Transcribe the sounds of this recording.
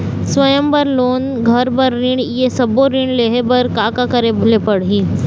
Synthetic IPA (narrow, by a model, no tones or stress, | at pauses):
sʋɐjəmbɐɾloːn | ɡʱɐɾbɐɾːiɳjesɐboɾĩːɳ̃leːɦebɐɾkaːkakɐɾeblepɐɽɦiː